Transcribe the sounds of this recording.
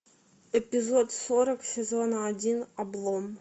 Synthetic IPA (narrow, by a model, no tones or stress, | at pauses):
epʲizot̪soɾəksʲezʲonɐdʲinɐblˠom